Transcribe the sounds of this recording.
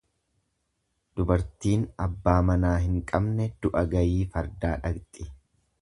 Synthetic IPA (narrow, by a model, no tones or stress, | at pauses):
d̪̥ʊbɐɾt̪iːnɐbːaːmɐnaːɦɪŋkʼɐbnɛd̪̥ʊʔɐɡɐjiːfɐɾd̪aːᶑɐɡt̪ʼɪ